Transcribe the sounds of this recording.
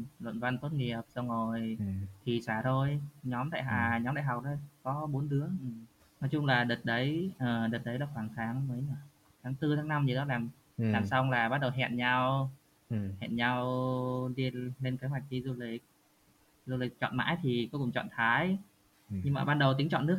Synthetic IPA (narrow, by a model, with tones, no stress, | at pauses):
lwə̰˧˨nva˧nt̪o˦˥t̚ŋi˨˩əp̚zə˧wŋo˨˩jt̪ʰi˨˩saː˧˩zo˧jɲɔ˨˦mt̪a̰ː˧˨ɦaː˨˩ɲɔ˨˦mɗaː˧˨˩ɦa˨˩wk͡p̚ɗo˧jkɔ˨˦ɓo˨˦nɗɨ˨˦əʔɨ˧˩ | nɔ˨˦jt͡ɕʊ˧ŋ͡mlaː˨˩ɗə˨˩t̚ɗə˨˦jʔəː˨˩ɗəː˨˩t̚ɗə˨˦jɗɔː˧˨˦xwaː˧˩ŋt̪ʰaː˨˦ŋməː˨˦jɲː˧˩ | t̪ʰaː˨˦ŋt̪ɨ˧t̪ʰaː˨˦na˧mɲɨ˨˩zɔ˨˦laː˨˩m | laː˨˩msa˧wŋ͡mlaː˨˩ɓa˦˥t̚ɗə˨˩wɦɛ̰˧˨nɲa˧w | hɛ̰˧˨nɲa˧wɗi˧le˧nke˨˦hwa˨˩jk̚t̪ʰi˧˦zu˧li˨˩˦k̚ | zu˧li˨˩k̚t͡ɕɔ̰˧˨nma̰ː˧˥jt̪ʰi˨˩kɔ˨˦kʊ̰˧˩ŋ͡mt͡ɕɔ̰˧˨nt̪ʰaː˨˦j | ɲɨ˧ŋmaː˨˩ɓaː˧nɗə˨˩wt̪ï˨˦ŋt͡ɕɔ̰˧˨nːɨ˦˥k̚